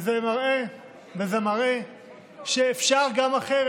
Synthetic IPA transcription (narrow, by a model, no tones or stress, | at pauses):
zemaʁe | bezemaʁe | ʃeːfʃaʁɡamaχeʁ